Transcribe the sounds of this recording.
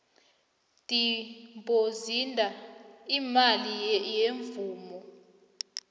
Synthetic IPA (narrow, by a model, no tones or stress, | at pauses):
tʼimbʱozindʱaimalijeɱvuːmɔ